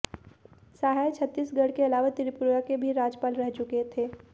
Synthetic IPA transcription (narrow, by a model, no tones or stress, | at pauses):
saːɦajt͡ʃʰət̪ːiːsɡɐɽkeɐlaːʋat̪ɪɾɪpʊɾɡakebʱiɾaːd͡ʒpaːlɾɛɦt͡ʃʊket̪ʰeː